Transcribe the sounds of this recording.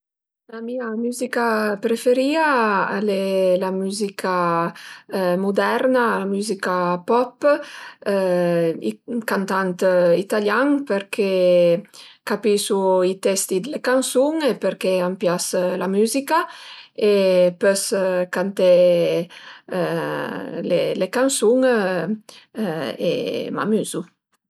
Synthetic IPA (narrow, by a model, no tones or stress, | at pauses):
lamiamyzikapɾefeɾiːaalelamyzikʰa | mud̪ɛɾnalamyzikapɔp | ḭkant̪ant̪it̪aljaŋpeɾkʰe | kapisuit̪ɛst̪id̪elekansuŋepeɾkeampjaslamyzikaepøskant̪e | lelekansuŋ | ḛma̰myzu